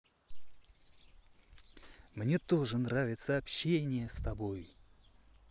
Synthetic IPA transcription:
mnʲe̞t̪o̞ʐɨnravʲɪt̪səɐpɕːenʲɪjəst̪ɐbo̞j

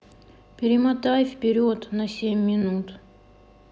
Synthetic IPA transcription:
pʲɪɾʲɪmɐt̪ajfpʲɪɾʲot̪nɐsʲemʲːɪnut̪

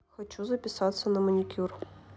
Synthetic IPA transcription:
xɐt͡ɕuzɐpʲɪsat̪sːɐnɐmɐnʲikʲur

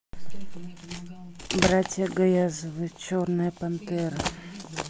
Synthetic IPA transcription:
bɾatʲjəɡɐjazvɨt͡ʃornɨjpɐmt̪ɛɾɨ

